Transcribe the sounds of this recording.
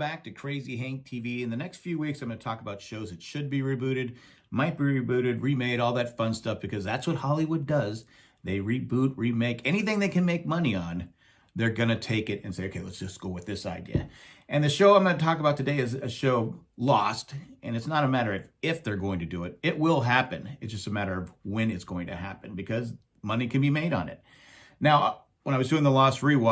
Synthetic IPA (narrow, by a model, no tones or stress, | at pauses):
bæk̚tʰɨkʰɹ̥eɪziɦæ̃ŋk̚tʰiviɨ̃nðɨnɛkstfjʉwiksãɪ̃mɡʌ̃nətʰɔkəbaʊtʃoʊzɨtʃɨd̚biɹibʉɾɨd̚ | maɪt̚b̥iɹibʉɾɨd̚ɹimeɪɾɔlˠðɨtfʌ̃nstʌfb̥ɨkʰʌzðætswʌt̚hɑlˠiwʊdʌz | ðeɪɹibut̚ɹimeɪkʰɛñiθɪ̃ŋðeɪkɨ̃nmeɪk̚mʌniə̃n | ðə˞ɡʌnɨtʰeɪkɨɾɨ̃nseɪoʊkʰeɪlɛtsd̥ʒ̥ʌsɡ̥oʊwɨðɪsa̰ɪdḭɨ̰ɨ̃nðɨʃoʊãɪ̃mɡʌ̃nɨtʰɔkəbaʊtʰɨdeɪɨzɨʃoʊlɔstʔɨ̃nɨtsnəɾəmæɾə˞ɨfɪfðə˞ɡoʊɪ̃ŋtʰɨdɨɪɾ̚ɪʔ̚wɪlˠɦæpɨ̰̃nɨtsd̥ʌstɨmæɾə˞ʌvwɨ̃nɨtsɡ̥oʊɪ̃ŋtʰɨɦæ̰pɨ̃nbɨkʰʌz | mʌnikʰɨ̃nbimeɪɾn̩ɪ̰t̚ | naʊ | wə̃aɪwʌzdʉɪ̃ŋðəlɔst̚ɹiw